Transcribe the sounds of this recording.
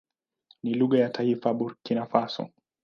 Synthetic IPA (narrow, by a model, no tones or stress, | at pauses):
niluɣajataifaɓuɾkinafasɔ̰